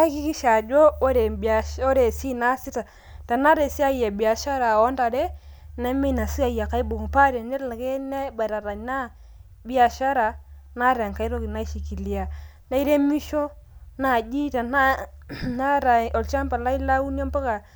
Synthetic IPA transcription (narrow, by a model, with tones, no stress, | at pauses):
a˦ki˦ki˦ʃa˨d͡ʒo˦ɾe˨o˦ɾe˨si˦na˦si˦ta˨ | ta˨na˦ɾe˨si˦a˦ja˨bi˨a˨ʃa˦ɾa˨ɔ˦nta˨ɾe˦na˦mi˦na˨si˦a˨ja˨ka˦i˦bo˨ŋ˨pa˦ɾe˨ne˦ɾla˨ke˦nɛ˦ba˨ɾa˨ɾa˨ɲna˦ | bi˦a˨ʃa˦ɾa˨ | na˦ɾa˨ŋka˦i˦ɾo˦ki˨na˦ʃi˨ki˨li˨a˨ | na˦i˦ɾe˦mi˦ʃo˦na˦˨d͡ʒi˦ta˨na˦na˦ɾa˨ɔ˨lt͡ʃa˦mpa˨la˦i˦la˦u˦n˦o˦mpa˦ka˨